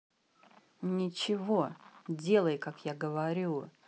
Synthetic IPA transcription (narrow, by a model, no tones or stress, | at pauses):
nʲɪt͡ɕɪvo̞dʲe̞lˠəjkakjaɡəvɐɾʲu